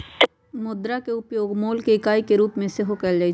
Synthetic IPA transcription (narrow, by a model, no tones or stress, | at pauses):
mʊd̪ɾakeʊpjoːɡmoːlkeɪkaːikeɾuːpmẽseɦokɛld͡ʒaːi